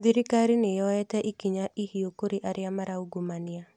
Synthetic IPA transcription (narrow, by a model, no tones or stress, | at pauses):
ðiɾikaɾinejɔɛtɛʔikiɲaʔihiokoɾeʔaɾɪamaɾauɡomanɪa